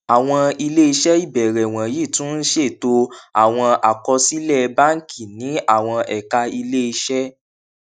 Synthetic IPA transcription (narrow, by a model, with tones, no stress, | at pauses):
a˨w̃ɔ̃˧i˧le˦i˧ʃɛ˦i˦˨bɛ˨ɾɛ˨w̃ɔ̃˨ji˦˨tũ˦n̩˦ʃe˦˨to˧a̰˦˨w̃ɔ̃˧a˨kɔ˧si˦lɛ˦˨˧ba˦ŋ̩˦kʰi˦˨nĩ˨˦a˦˨w̃ɔ̃˧ɛ˨ka˧i˧le˦i˧ʃɛ˦